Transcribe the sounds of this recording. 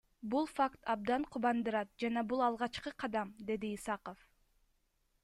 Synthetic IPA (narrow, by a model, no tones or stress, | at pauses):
bulˠfakt̪ʰɑb̚d̪ɑɴqʰuβɑnd̪ɯɾɑt̪̚d͡ʒɑnɑbulˠɑlˠʁɑt͡ʃqɯqʰɑd̪ɑmd̪e̞d̪iːsɑqof